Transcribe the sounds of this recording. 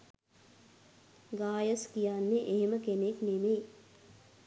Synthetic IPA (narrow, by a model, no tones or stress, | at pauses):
ɡaːjəskijaːnːeʔeɦeməkeneknemeː